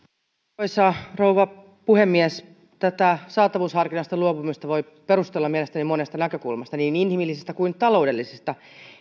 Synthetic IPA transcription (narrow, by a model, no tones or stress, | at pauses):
isɑrouʋɑ | puhemːiæs | t̪æt̪æsɑːt̪ɑʋuːshɑrkinɑst̪ɑluopumist̪ɑʋoi | peɾust̪elːɑmielest̪ænimonest̪ɑnækøkṵlmɑst̪ɑniːninhimilːisist̪ækuint̪ɑlo̞udelːisest̪ɑ